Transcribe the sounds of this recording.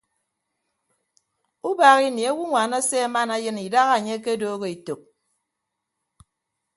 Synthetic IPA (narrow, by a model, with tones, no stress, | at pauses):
u˦baː˨ɣi˦ni˨a˦wu˦ŋʷaː˨na˦se˦a˦ma˦na˦jɨ˦ni˨da˦ɣa˨ɲe˦ke˦doː˦ɣo˦i˨to˨k̚